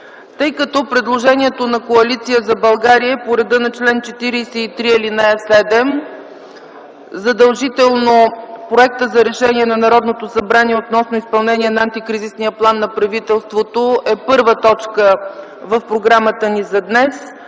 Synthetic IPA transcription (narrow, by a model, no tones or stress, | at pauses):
t̪ɤjkɐt̪ɔpɾɛd̪lˠoʒɛniɛt̪onɐkoɐlit̪sijəzɐbɐlˠɡaɾiəɛpoɾɛd̪ənɐt͡ʃlɛnt͡ʃɛt̪iɾisɛit̪ɾiɛlinaɛsɛd̪ɛm | zɐd̪ɐlˠʒit̪ɛlˠnopɾoɛk̚t̪əzɐɾɛʃɛniɛnɐnɐɾɔd̪not̪osɐbɾaniɛot̪nɔsnoispɐlˠnɛniɛnɐːnt̪ikɾizisniəplˠanːɐpɾɐvit̪ɛlˠst̪vot̪oʔɛpɤɾvət̪ɔt͡ʃkə | vəfpɾoɡɾamət̪ənizɐd̪nɛs